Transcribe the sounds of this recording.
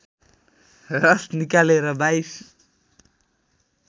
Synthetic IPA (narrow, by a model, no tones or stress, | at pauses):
ɾal̥t̪nikaleɾamajs